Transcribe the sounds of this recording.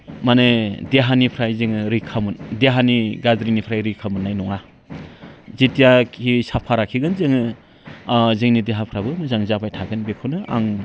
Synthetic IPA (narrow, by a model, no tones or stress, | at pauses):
manedeɦanipʰɾajzɯŋɯɾikʰamɯndeɦaniɡadɾinipʰɾajɾikʰamɯnːajnɔŋa | zitijakʰisapʰaɾakʰiɡɯnzɯŋɯ | zɯŋnideɦapʰɾabɯmɯzaŋzabajtʰaɡɯnbekʰownɯʔa̰ŋ